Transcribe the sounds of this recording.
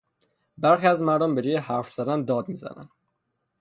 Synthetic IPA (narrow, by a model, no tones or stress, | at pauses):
baɾχiːæzmaɾd̪ombeɾijehaɾfsaɾand̪ɒd̪miza̰na̰n